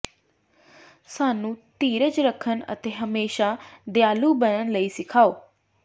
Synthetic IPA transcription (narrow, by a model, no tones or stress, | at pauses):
saːnũːt̪iːɾət͡ʃɾəkʰənə̰t̪eːɦəmeːʃaːd̪jaːluːbənənləiːsɪkʰaːoː